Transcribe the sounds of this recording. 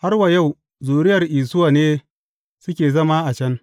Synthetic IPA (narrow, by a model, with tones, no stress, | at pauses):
ha˦rwa˨ja˦˨w | zuː˨ɽɪ˦jɐ˨rʔiː˨sʊ˦waː˨neː˦ | sʊ˦kʲeː˨zɐ˦ma˦ʔa˨t͡ʃɐ˦n